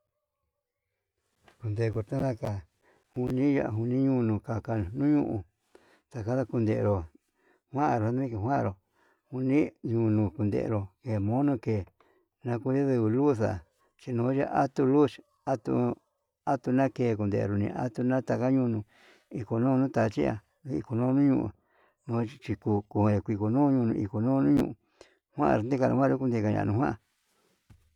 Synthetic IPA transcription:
ku˧nd̪e˧˨˧ku˧ɾt̪ã˦ða˦˧ka˨ | hu˧nĩ˦ja̰˧ʔɦu˧nĩ˦ɲũ˦˧nũ˧ka˨ka˧nũ˦ɲṵ̃˦ʔũ˧˨ | t̪a˨ka˦ða˧ku˧nd̪e˧ʔɾo˨ | hwã˦a˧˨ɾo˨a˧˦d̪ĩ˦ke˧˨ɦwã˦ã̰˧ɾo˨ | hu˧nĩ˦ɲũ˧nũ˧ku˧nd̪ḛ˧ʔɾo˧ke˧˨mõ˦nõ˧keː˨ | nã˧ku˦a˦ðɨ˧βɨ˧lu˦θa̰˨ | t͡ʃi˧nõː˧˦ʒa˦ʔa˦t̪u˧lu˦ʃ | a˦t̪ṵ˧ | a˦t̪u˧nã˦keː˧˨k̬u˧nd̪ḛ˧˨ḛ˧ɾo˧nḭ̃˧ʔa̰˦t̪u˧nã˦t̪a˧ka˦ɲũ˧nũ˧ | i˧ko˧nõ˦˧nũ˦t̪a˧˨˧t͡ʃi˦a̰˧ | i˧ko˧nõ˦˧nũ˦ɲũ˧ʔ | nõ˧˦˧t͡ʃi˧ku˧ku˧˨kʷi˧ko˨nũː˦ɲũ˧nũ˧i˧ko˨nõː˦˧nũ˦ɲṵ̃˧˨ʔu˨ | hwʷã̰˦ʔa̰˧ɾo˨nd̪i˦ka˧nṵ̃˧hʷwã˦˧ɾo˦ku˧nd̪e˧ka˧ɲã̰˧˨˧nũ˧hwã˦a˨

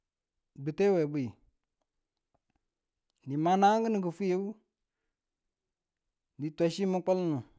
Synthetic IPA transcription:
bu˨te˦we˨bi˨i˨ | ni˨ma˨na˦ŋ˦ɡə˦nə˨ɡə˨fu˦je˦u˦ | ni˨tʷa˨ʃi˦mə˦k͡pə˦lnu˨

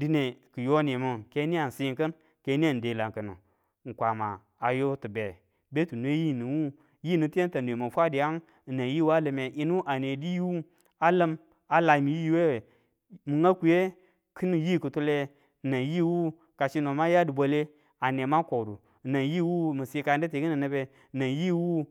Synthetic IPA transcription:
di˦ne˨kə˨jo˦ne˨mu˨ke˦ni˦a˨n˨si˦ŋkə˦n | ke˨˦ni˦a˦˨n˨de˨la˨ŋkə˨nṵ˨ | ŋ̩˨kʷa˨maː˨ | jo˦tə˨be˨ | be˦tu˨n˦e˦ji˦˨ni˨wu˦ | ji˦nu˨ti˦e˦n˦ta˨n˨e˨ma˨fʷa˦di˨ja˦ŋ˨ | na˨ji˦wa˦lə˨me˨ʔi˦nu˦ʔa˨ne˨di˦ji˦wu˦ | a˦lə˦m | a˨la˨mi˨ji˦we˦˨ | mɨ˨ŋa˦ku˨je˦ | kʰi˦nu˨ji˦˨kə˨tu˦le˦˨ | na˨ji˦wu˦ | ka˨ʃi˦no˨ma˦ja˦di˨bʷo˨le˦ | a˨ne˨ma˦ko˨du˨ | na˨ji˦wu˦mə˨si˦ka˨n˦di˦te˨ki˦nə˨nə˦be˦˨ | na˨ji˦wu˦

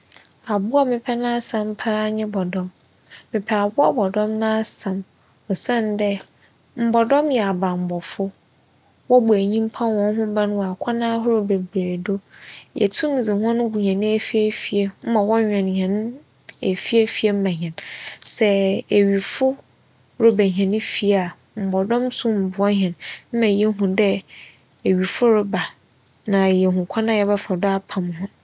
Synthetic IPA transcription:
a˨bʊ˦a˦mɪ̃˦pʰɛ˦nã˦a˦sã˨m˦pʰa˦a˦ɲɪ̃˦bɔ˨dɔ̃˦mː | ɪ̃˨pʰɛ˨a˨bʊ˦a˦bɔ˨dɔ̃˦mnã˦sã˨m | ɔ˨sã˦˨n˦dɛ˦ | m̩˨bɔ˨dɔ̃˦mjɛ˨a˨bã˨m̩˨bɔ˨fʊ˦ | wɔ˦bʊ˨æ˨ɲĩ˦m˦pʰã˦nwɔ̃˨ŋ˦ɦʊ̃˦bã˦nʊ̃˦wa˨kʷʰa˦nã˦ɦʊ˦ɾʊ˨be˨bɾe˨do˦jɛ̰˨tʰũ˦m˨d͡zi˨hɔ̃˦nʊ̃˦bu˨ɲã˨nɪ̃˦e˨fi˦e˦fi˨e˨m̩˦mã˨wɔ̃˦ɲᶣɛ̃˨n˨ɲ˨ɛ̃˨nʊ̃˦ | e˨fi˦e˦fi˦e˦m̩˦mã˨ɲ˨ɛ̃˨nsɛ˦e˨ɥi˨fʊ˦ | ɾʊ˨bæ˨ɦɛ̃˨nɪ̃˦fi˦˨a˨ | m̩˨bɔ˨dɔ̃˦m˦sʊ̃˦m̩˨bʊ˨ɔ˦ɦɛ̃˨nm̩˦mã˨je˦ɦũ˨dɛ˦ | e˨ɥi˨fʊ˦ɾʊ˦ba˨ | nã˨jɛ˨ɦũ˨kʷʰa˦nã˦jɛ˨ba˦fɔ˨dɔ˦a˦pʰã˨mhʊ̃˦

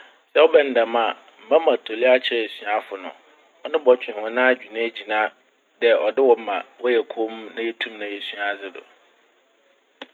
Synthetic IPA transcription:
sɛ˦ɔ˦bɛ˨n̩˨dã˨mã˨ | m̩˨mã˦mã˨tʰo˨lɪ˦a˦t͡ɕʰɪ˦ɾɛ˨sɥa˦fʊ˨nʊ̰̃˨ | ɔ˦nɪ̃˦bɔ˨˦t͡ɕᶣɪ̃˨hɔ̃˨nãː˦˨d͡ʑᶣi˨nã˦d͡ʑi˨nã˦ | dɛ˨ʔɔ˨dɪ˦wɔ˦mã̰˨wɔ˦jɛ˨kʰo˦m˦nã˦e˦tʰũ˦mnã˨jɛ˨sɥa˨˦˨d͡zɪ˦dʊ̰˨

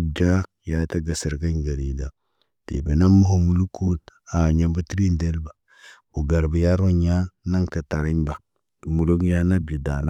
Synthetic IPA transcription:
d͡ʒa˦ | ja˨˦ta˦ɡa˨si˨ɾɡa˦ɲɡa˨ɾi˨da˨ | tḛ˨be˨na˦mːu˦ɦo˨mu˨lu˦ku˦ta˨ɲa˦mba˦ti˦ɾi˦nde˦lba˨ | u˨ɡa˨ɾbi˨ja˦ɾo˦ɲa˦na˦ŋta˨ta˨ɾi˦ɲba˨ | mu˨lu˦ɡja˦na˦bji˨da˨la˦

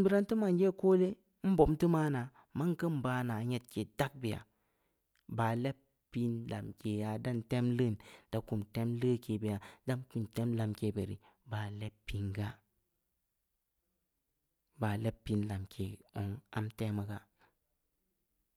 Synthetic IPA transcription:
bi˦ɾa˦ntɨ˦ma˨n˦d͡ʒe˦˨ko˦le˦ | m̩˦bo˨mtɨ˦maː˦na˨ | ma˦ŋ˦kə˦m˨baː˨˦na˨˦ɲe˨t̚ke˨da˦k̚bi˨ja̰˨ | ba˨le˦p | pi˦nla̰˨mke˨ja˨da˦nte˦mlə˦˨nd̥a˨ku˨mte˦mlə˦ke˨bi˨ja˨da˦nku˨nte˦mla˧mke˨be˨ɾḭ˨ | ba˨le˦ppːi˨ŋɡa˦ | ba˨le˦pːi˦nla˨mkʰe˨o˨ŋa̰˦mte˦mə˨ɡa˦

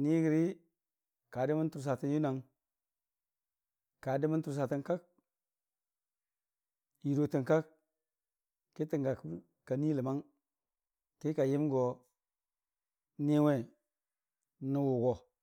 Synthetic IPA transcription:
ni˦ɡi˨ɾi˦ | ka˨di˦mə˦n˦tu˨ɾs̬a˨ti˦nju˦na˨ŋ | kːa˨di˦mə˦n˦tu˨ɾs̬a˨ti˨nka˦k̚ | ji˨ɾo˨ti˨ŋka˦k | ki˦ti˨ŋɡa˨k | ka˨ni˦lə˨ma˦ŋ | ki˦ka˨ji˦m˦ɡo˨ | ni˦we˦ | nə˨wu˨ɡo˨

